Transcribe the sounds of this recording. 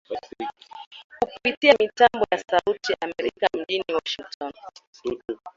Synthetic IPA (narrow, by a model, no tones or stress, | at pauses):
kupitiamitambɔjasautiʔamɛɾikam̩ʄiniwɔʃiŋk̚tʰɔn